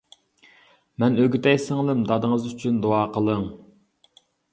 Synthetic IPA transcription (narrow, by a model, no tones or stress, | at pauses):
mɛnøɡʲyt̪ɛjsɪŋlˠɨmd̪ɑd̪əŋəzyt͡ʃʰynd̪oɑːqʰəlˠəŋ